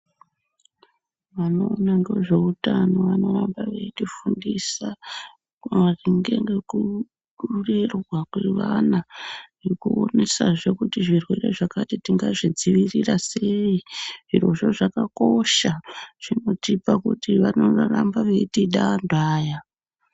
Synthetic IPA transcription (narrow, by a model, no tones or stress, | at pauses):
ʋano̞ːnando̞ʐe̞utano̞ʋano̞rambaʋe̞itifundisa | kriŋɡe̞ŋɡe̞ku | ɗurirwakweʋanaʐirikuo̞nesaʐe̞kutiʐirwe̞ɾe̞ʐakatitiŋɡaʐid͡ziʋirirase̞iʐiro̞ʐo̞ʐakako̞ʃaʐ̥ino̞tipakutiʋano̞rarambaʋe̞itiɗandaːja